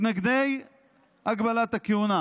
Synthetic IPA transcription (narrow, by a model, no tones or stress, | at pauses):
naɡd̪ej | haɡbalat̪akeuna